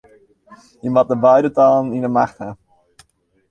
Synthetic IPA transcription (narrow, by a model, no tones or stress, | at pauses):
imɑt̚dəbœɥdətɑlənindəmaχtə